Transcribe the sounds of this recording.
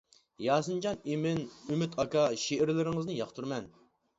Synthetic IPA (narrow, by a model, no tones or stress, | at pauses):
jɑːsɨnd͡ʒɑnimɪnymyt̪ʰɑkɑʃeʔɪɾlɪɾɪŋɨznɨjɑχt̪ʰuɾmɛn